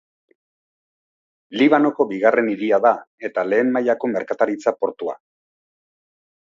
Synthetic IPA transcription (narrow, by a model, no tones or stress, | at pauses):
liβano̞ko̞biɣare̞niðiaðae̞t̪ale̞ːmmajako̞me̞ɾkat̪aɾit͡sapo̞ɾt̪ua̰